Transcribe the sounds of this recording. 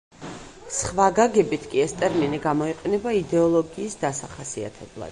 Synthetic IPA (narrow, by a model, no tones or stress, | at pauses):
sχvaɡaɡɛbit̪ʰkʼiɛst̪ʼɛɾminiɡamɔiqʼɛnɛbaid̪ɛɔlˠɔɡiːsd̪asaχasia̰t̪ʰɛblˠa̰d̪̥